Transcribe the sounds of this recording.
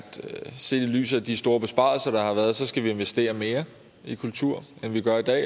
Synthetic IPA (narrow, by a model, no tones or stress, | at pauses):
d̥se̝̰ːd̥ily̰ːs̬ð̩ˠæd̥isd̥o̝ːɐb̥e̝sb̥ɑ̰̈ːlsɐd̥ɑ̈hɑ̈ʋæːɐð̩ˠsɒ̽sɡ̥æʋie̝nʋesd̥e̝̰ːɐme̝ːɐ | ikʰult͡sʰuɐ̰enʋiɡ̥ɶɐid̥ɛ̰ː